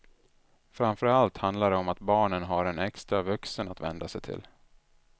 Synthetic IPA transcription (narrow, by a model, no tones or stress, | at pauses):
fɾamfœɾalt̪hand̪laɖɛɔmat̪bɑːɳənɦaɾɛnɛkst̪ɾavɵksənat̪vɛ̰nd̪asɛjt̪ʰɪ̰l